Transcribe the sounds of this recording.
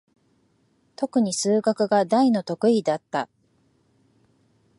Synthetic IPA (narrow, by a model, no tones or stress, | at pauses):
t̪o̞kɯ̟ɲ̟isɨːɡakɯ̟ɡad̪aino̞t̪o̞kɯ̟id̪at̪ːa